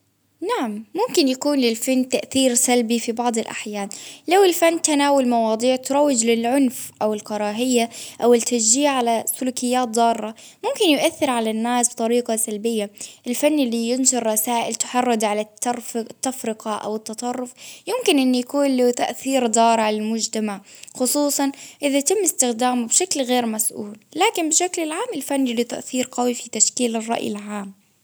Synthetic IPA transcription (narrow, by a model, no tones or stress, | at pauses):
naʕamːʊmkɪnjakuːnlɪlfanːt̪aʔθiːɾsalbifibɑʕd̪ˤɪlʔa̰ħjaːnlawɪlfanːt̪anaːwʊlmɑwɑːd̪ˤiːʕt̪ʊɾˤɑwːɪd͡ʒlɪlʕʊnfʔawɪlkɑɾˤɑːɦɪjːaʔawɪlt̪ːas̬d͡ʒiːʕʕalasʊluːkɪjːaːt̪̚d̪ˤɑːɾːɑmʊmkɪnjʊʔaθːɪɾʕalanːaːsb̚t̪ˤɑɾiːqɑsalbɪjːaʔɪlfanːɪlːijɪnʃɪɾˤːɑsaːʔɪlt̪ʊ̥ħɑrˤːɑd̪ʕalat̪ːɑɾft̪ːafɾɪqɑʔa̰wɪt̪ːɑt̪ˤɑrˤːʊfjʊmkɪnʔɪnːujakuːnlut̪aʔθiːɾd̪ˤɑːɾˤʕalɪlmʊd͡ʒt̪amaʕxʊsˤuːsˤɑnʔɪðajt̪ɪmːɪst̪ɪxd̪aːmubʃaklɣeːɾmasʔṵːllaːkɪnbɪʃaklɪlʕaːmɪlfanːɪlːit̪a̰ʔθiːɾqɑwifit̪aʃkiːlɪrˤːɑ̰ʔjɪ̰lʕaːm